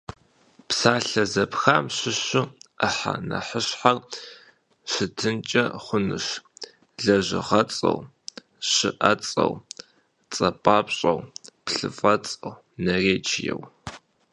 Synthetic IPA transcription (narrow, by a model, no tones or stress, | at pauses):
psaːɬɐzɐpxaːmɕɪɕʊħa̰nɐ̰ħəɕħar | ɕɨtʰɨnt͡ʃʼɐχʷʊnɨʂ | ɮɐʑɪ̰ʁɐt͡sʼɐ̰w | ɕɪʔɐt͡sʼɐ̰w | t͡sʼɐpʼaːpɕʼɐwpɬɨfʼɐt͡sʼɐw | nɐreːt͡ʃʰɪjɛ̰w